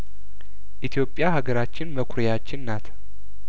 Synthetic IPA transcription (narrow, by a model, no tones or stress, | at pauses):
ʔit̪ʰjo̞pʼːjahaɡəɾat͡ʃːɪnməkʷʰʊɾjat͡ʃːɪnːat̪ʰ